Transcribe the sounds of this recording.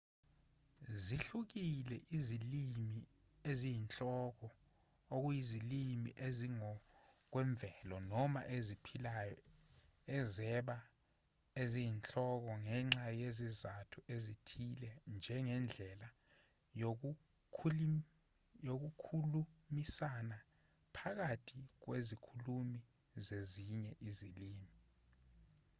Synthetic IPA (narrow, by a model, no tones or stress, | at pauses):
ziɬuk̬ilɛʔizilimi | ezijint͡ɬʼɔk̬ɔ | ok̬ujizilimḭʔeziŋɔk̬wɛɱb̪vʱɛlɔnɔma̰ʔezipʰilajɔ | ɛzɛɓa | ezijint͡ɬʼɔk̬ɔŋɛŋ͡ǁajezizatʰuʔezitʰilɛnd͡ʒʱɛŋɛnd͡ɮʱɛla | jok̬ʰ | jok̬ukʰulumisana | pʰak̬atʰik̬wezikʰulumi | zeziɲɛʔiziliːmi